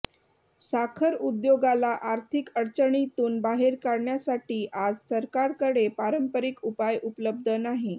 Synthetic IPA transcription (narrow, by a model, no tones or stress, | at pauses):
sakʰəɾud̪joɡalaʔaɾt̪ʰikəɾt͡ɕəɳit̪uːnbaɦeɾkaɾɳjasaʈiːʔad͡zsəɾkaɾkəɽepaɾəmpəɾikupajʔupələb̚d̪ʱənaɦi